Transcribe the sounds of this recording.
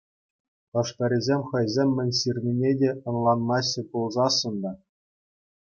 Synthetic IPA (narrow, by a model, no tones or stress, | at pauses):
tɤ̆ʂpʲɘ̆ɾʲizʲemʲχɤ̆jzʲemʲːɘ̆nʲɕirʲnʲinʲedʲeɤ̆nlˠɑnmɑɕɘ̆pulˠzɑsːɤ̆nd̪ɑ